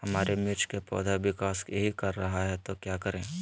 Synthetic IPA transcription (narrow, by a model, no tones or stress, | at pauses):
hɐmaːɾemɪt͡ʃʰkepɔ̰ːd̪ʱaʋɪkaːskeɦikɐɾːɐɦaɦɛt̪okjaːkɐɾẽː